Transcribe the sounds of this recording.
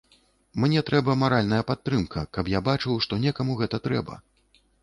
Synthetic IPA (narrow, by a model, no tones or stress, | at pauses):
mnʲɛt̪ɾɛbɐmaɾalʲnɐjɐpat̪ːɾɨmkʰɐkɐpjabat͡ʂɨwʂt̪ɔnʲɛkɐmuɣɛt̪ɐt̪ɾɛbɐ̰